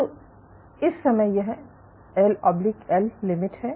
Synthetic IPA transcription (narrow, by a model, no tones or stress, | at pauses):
t̪o | ɪsːɐməjjɐɦɛ | elpɐblɪkɛlːɪmɪʈɦɛ